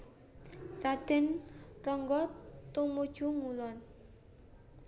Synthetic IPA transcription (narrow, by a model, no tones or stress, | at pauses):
rad̪̥ɛ̤nrɔŋɡɔt̪umud̥ʒ̥uŋulɔn